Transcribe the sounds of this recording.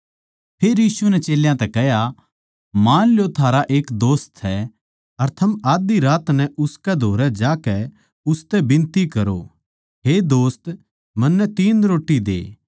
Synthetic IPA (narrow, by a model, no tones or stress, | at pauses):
pʰeːɾjiːsunɛt͡ʃeːljãt̪ɛkɛɦja | maːnljot̪ʰaːɾaʔeːkd̪oːst̪ɦɛ | ɐɾt̪ʰɐmaːd̪iɾaːt̪nɛ̃ʔʊskɛd̪ʱoːɾɛd͡ʒaːkɛ | ʊst̪ɛbɪ̃nt̪ikɐɾo̰ | ɦed̪oːst̪ | mɐnːɛt̪iːnɾoːʈːid̪ḛː